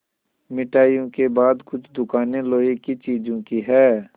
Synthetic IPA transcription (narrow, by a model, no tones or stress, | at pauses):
mɪʈaːjõkebaːd̪kʊt͡ʃʰd̪ʊkaːneloːikit͡ʃiːd͡ʒõkiɦɛː